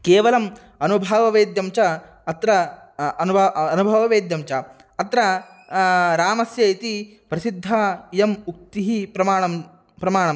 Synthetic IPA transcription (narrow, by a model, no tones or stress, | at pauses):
keːʋɐlɐm | ɐnubʱɐʋɐʋeːd̪jɐmt͡ʃɐ | ɐt̪ɾɐ | ɐnuɐnubʱɐʋɐʋeːd̪jɐmt͡ʃɐ | ɐt̪ɾɐ | ɾaːmɐsjɐit̪i | pɾɐsid̪ʱːɐjɐmuk̚t̪iɦipɾɐmaːɳɐm | pɾɐmaːɳɐm